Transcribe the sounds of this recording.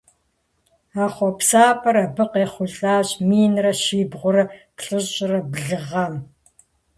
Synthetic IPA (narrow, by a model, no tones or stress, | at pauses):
aːχʷɔpsaːpʰʼɐɾɐbɨqeːχʷʊɬʼaːʑmiːnrɐʃiːbʁʷʊrɨkɬʼɨɕʼɪrɐbɮɨʁɐm